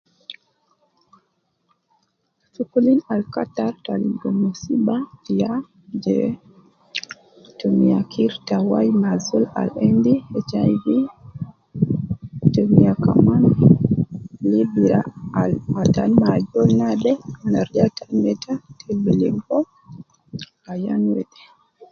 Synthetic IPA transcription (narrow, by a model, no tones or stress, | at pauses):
fukulinalkataɾtaliɡɔmosibatija | d͡ʒɛ̰ | tomijakʰiɾtawajmazula̰lendiɛt͡ʃajvi | tomijaka̰man | libiɾaalatanmad͡ʒɔlnadɛanaɾd͡ʒatʰamɛtatʰebiliŋɡɔ | ajanwɛɗɛ